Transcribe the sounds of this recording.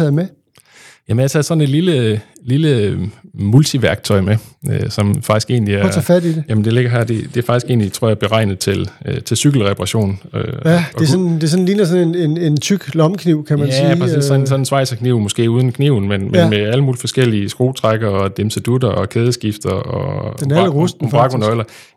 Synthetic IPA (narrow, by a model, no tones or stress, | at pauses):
ɛð̩ˠme | jæmnjɑt͡sʰɛːð̩ˠsɒ̽ne̝d̥lilə | lilə | mult͡sʰiʋæɐɡ̥t͡sʰɒ̽ɪmeøsɒ̽mfɑ̈ɡ̥isɡ̥e̝ːnliæɐfædidejæmnd̥e̝le̝ɡ̥ɐɦæ̰ɐ̰d̥e̝d̥e̝æɐfɑɡ̥isɡ̥e̝̰ːnlit͡sʰʁo̝ɐɑæɐb̥e̝ʁɑ̈ɪ̰nəð̩ˠt͡sʰe̝løt͡sʰe̝lsyɡ̥l̩ʁɛpʰɑʁɑ̈ɕo̝̰ːnøædɒ̥esɔnd̥e̝s̬ɔn̩liːnɐsɔnenene̝nt͡sʰyɡ̥lɒ̽mkʰniʊ̰kʰæmænsæiɑisɒsɒ̽nnsʋɑ̈ɪ̰sɐkʰniʊ̰mɔ̽sɡ̥e̝̰ːuːð̞ˠn̩kʰniʊn̩menmenmeæləmuːlifɒ̽sɡ̥el̰iəsɡ̥ʁo̝̰ːt͡sʰʁaɡ̥ɐɒ̽d̥emsəd̥ud̥ɐɒ̽kʰeːð̞ˠəsɡ̥ifd̥ɐɒenæləʁusmb̥ʁɑ̈ɡ̥onɒɪlɐ